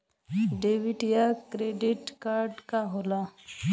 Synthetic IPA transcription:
ɖeʋiʈijakɾeɖɪʈkaːɾɖkaɦoːla

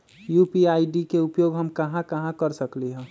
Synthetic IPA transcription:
jupiaːɪɖikeupjoɡɦəmkəɦãkəɦãkəɾsəkliɦɛ̃

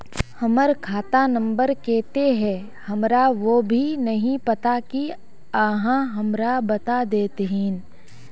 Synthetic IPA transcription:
hɐməɾkʰaːt̪anə̃mbəɾkɛːt̪eɦɛ̃ | hɐmɾaʋobʱinɐɦĩpɐt̪aki | aːɦãɦɐmɾabɐt̪ad̪eːt̪eɦĩːn

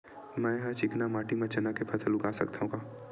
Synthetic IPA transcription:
mɛ̃ːɦãt͡ʃɪknamaːʈimɐ̃t͡ʃɐnakepʰɐsəlʊɡaːsɐkt̪aɦũkaː

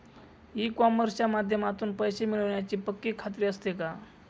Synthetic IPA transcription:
iːkaməɾt͡ɕjamad̪ʱjəmat̪uːnpəjsemiɭəʋɳjat͡ɕiːpəkːiːkʰat̪̬ɾiːəst̪eka

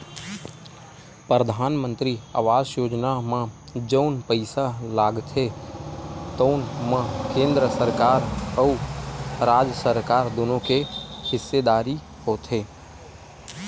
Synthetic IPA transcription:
pɾəd̪ʱaːnmə̃nt̪ɾia̰ːʋaːd͡ʒjoːd͡ʒnamã | d͡ʒəʊnpəɪsalaːɡt̪ʰe | t̪əʊnmãkẽːnd̪ɾəsəɾkaːɾəʊ | ɾaːd͡ʒsəɾkaːɾd̪oːnõkehɪsːed̪aːɾi | hoːt̪ʰɦeː

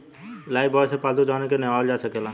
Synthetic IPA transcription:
laːibɔːsepaːld̪ud͡ʒaːnekenɛ̃ɔːld͡ʒaːsəkela

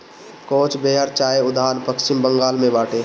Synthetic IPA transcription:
koːt͡ʃbeːɦəɾt͡ʃaːeʊd̪aːnpəkt͡ʃɪmbəŋɡaːlmẽbaːʈʰeː

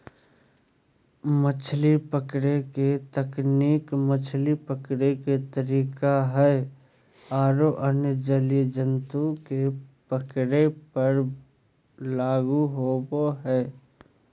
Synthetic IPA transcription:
mət͡ʃʰlipəkɽeket̪əkniːkmət͡ʃʰlipəkɽeket̪əɾiːkaɦɛː | aːɾoʔənəd͡ʒəlijəd͡ʒənt̪ukepəkɽepəɾ | laːɡuɦoːboɦɛː

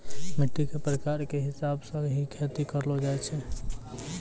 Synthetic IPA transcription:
miʈːikepɾəkaɾkeɦisabsə̃ɦikʰet̪ikəɾlod͡ʒajt͡ʃʰɛ

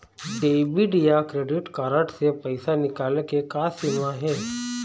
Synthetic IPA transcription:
ɖeːbiɖijakɾeːɖɪʈkaːɾəʈsepɐɪsanɪkaːlekekaːsimaɦɛː

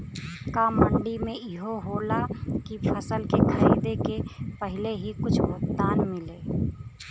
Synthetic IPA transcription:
kaːmbəɳɖimẽɪɦoɦoːlakipʰəsəlkekʰaːid̪ekepəɦɪleɦikʊt͡ʃʰbʱok̚t̪aːnmɪleː

